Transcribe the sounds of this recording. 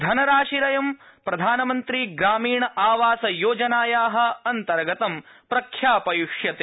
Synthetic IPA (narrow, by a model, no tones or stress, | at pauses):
d̪ʱɐnɐɾaːʂiɾɐjɐmpɾɐd̪ʱaːnɐmɐnt̪ɾiɡɾaːmiːɳɐʔaːʋaːsɐjoːd͡ʒɐnaːjaːɦɐ̆ɐnt̪ɐɾɐɡɐt̪ɐm | pɾɐkʰjaːpɐjuʂjɐt̪e